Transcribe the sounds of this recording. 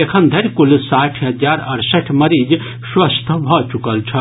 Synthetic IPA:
ekʰənd̪ʱəɾʲkulsaʈʰɦəd͡ʒaɾɐɾsəʈʰməɾid͡ʒ | swəst̪ʰbʱɔt͡ʃukəlt͡ʃʰɐ

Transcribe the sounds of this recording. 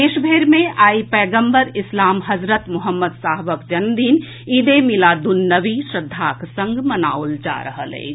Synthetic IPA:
eːʃbʱeːɾmẽʔaːipɛːɡə̃mbəɾɪslaːmɦɐzɾət̪mʊɦəmːəd̪saːɦʋəkd͡ʒɐnd̪iːn | id̪emɪlad̪ʊnːəʋiʃɾəd̪ʱːaːksɐ̃ŋɡmɐna̰ːʊld͡ʒa̰ːɾɐ̰ɦə̰lḛː

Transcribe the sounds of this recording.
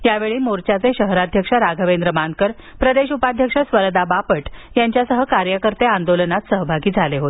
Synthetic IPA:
jaʋeɭiːmoɾt͡ɕjat͡seɕəɦɾad̪ʱjəkʂaɾaɡʱəʋend̪ɾəmankəɾpɾəd̪eɕupad̪ʱjəkʂasʋəɾd̪abapəʈjaɲt͡ɕjasəɦəkaɾjəkəɾt̪eand̪olənat̪səɦəbʱaɡiːd͡zʱaleɦot̪e̥

